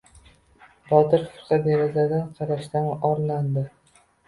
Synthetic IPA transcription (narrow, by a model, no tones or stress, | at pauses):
bɒt̪ɪɾfqɑd̪eɾazad̪anqʰɑɾaʃt̪anɒɾland̪ɪ